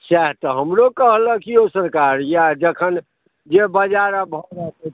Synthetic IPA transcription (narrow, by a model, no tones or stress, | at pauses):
sɛɦt̪ɔɦəmɾokəɦləkijosəɾkaɾjad͡ʒəkʰən | d͡ʒebəd͡ʒaɾabʱɔɾət̪ɛ